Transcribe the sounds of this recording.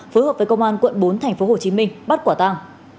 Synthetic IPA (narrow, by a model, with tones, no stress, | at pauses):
fo˨˦jɦəː˨˩p̚və˨˦kə˧wŋ͡mʔaː˧nkwə̰˧˨nɓo˨˦nt̪ʰɛ˨˩jŋ̟fo˨˦ho˨˩t͡ɕi˨˦mï˧ŋ̟ɓa˦˥t̚kwaː˧˩t̪a˧ŋ